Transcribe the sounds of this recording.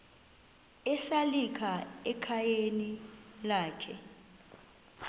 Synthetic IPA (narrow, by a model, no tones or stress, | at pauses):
ɛsalikʰaɛkʰajenilaːkʰɛ̰